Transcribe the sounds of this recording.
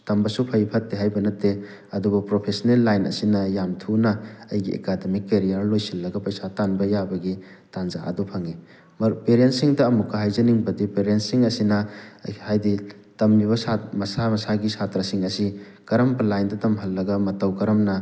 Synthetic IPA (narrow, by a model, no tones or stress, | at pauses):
tɐmbɐsupʰɐjpʰɐtːeɦajbɐnɐtːe | ɐdubɐpɾopʰesɐnelːajnɐ̰sinɐjamtʰunɐːjɡiʔḛkademikːeɾijaɾlojsilːɐɡɐpɐjsatanbɐjabɐɡi | tanzaʔɐ̰dopʰɐŋi | mpeɾientsiŋdɐːmukʰːɐɦajzɐniŋbɐdipeɾentsiŋɐsinɐhajdi | tɐmliβɐsamɐsamɐsaɡisatɾɐsiŋɐsi | kɐɾɐmbɐlajndɐtɐmɦɐlːɐɡɐmɐtɐwkɐɾɐmnɐ